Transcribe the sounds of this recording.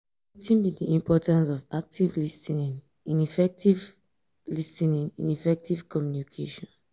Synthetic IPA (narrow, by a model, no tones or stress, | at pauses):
itĩnbidiĩmpʰɔtãnsɔvak̚tʰivlistiñn | ĩnifɛk̚tiv | listĩnĩnḭ̃nifɛk̚tʰiv̥kɔmjunikʰeʃɔ̃n